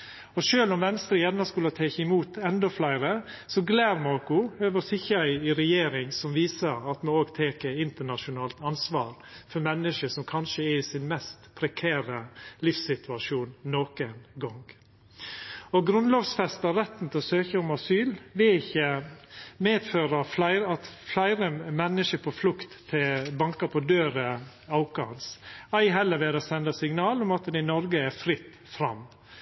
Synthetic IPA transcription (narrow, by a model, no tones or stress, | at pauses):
ɔʃøːlɔmʋɛnːst̪ɾəjɛnːɑskʉlət̪ʰeːçəɪmuːt̪ʰɛnd̪ɔflæɪɾə | sɔɡlæːɾmɔːkʊøːʋəsɪçəæɪɪɾɛjeːɾɪŋsɔmʋiːsəɾɑt̪mooːɡt̪ʰeːkəɪnt̪əɳɑʃʊnɑːlt̪ɑnsʋɑːɾ | fɔɾmɛnːəʂəʂɔmkʰɑnʃəɛɾiːsɪnmɛst̪pʰɾɛkʰæːɾəlɪfsɪt̪ʰʉɑʃuːnːoːkənɡɔŋɡ | ɔɡɾʉnlɔːʋsfɛst̪əɾɛt̪ːn̩t̪ʰɛɔsøːçəʊmɑsyːlʋɪɪçːə | meːd̪føːɾəflæɪɾɑt̪flæɪɾəmɛnːəʂəɾpʰɔflʊkt̪ʰːɪlbɑŋkəɾpʰɔd̪øːɾə | ɑʊkɑhɑnsæɪɦɛlːəɾʋeːd̪ɑsɛnd̪ɑsɪŋnɑːlɔmɑt̪d̪ɛɪnɔɾɡəæɾfɾɪt̪ːfɾɑ̰mː